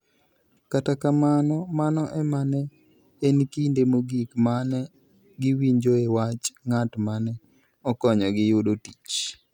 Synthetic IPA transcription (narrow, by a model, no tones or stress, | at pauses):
katakamanɔmanɔʔɛmanɛ | enkindemoɡikmanɛ | ɡɪwiɲd͡ʒoewat͡ʃŋatmanɛ | ɔkɔɲɔɡɪjʊdoti̥t͡ʃ